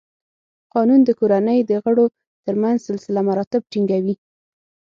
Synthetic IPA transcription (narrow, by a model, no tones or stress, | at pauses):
qɑnund̪əkoɾanəjd̪əɣəɽo | t̪əɾmanzsɪlsɪlamaɾɑt̪ɪb̚ʈiŋɡawi